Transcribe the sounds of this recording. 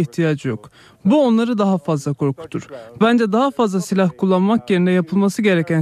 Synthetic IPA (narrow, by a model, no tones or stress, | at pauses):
içt̪ʰijad͡ʒjo̞k | buo̞nlˠaɾɯd̪aɦafazlˠakʰo̞ɾkʰu̥t̪ʰuɾ̥bænd͡ʒɛd̪aɦafazlˠasilʲahkʰulˠːanmakje̞ɾinɛjapʰɯlˠmasɯɟe̞ɾɛcʰæn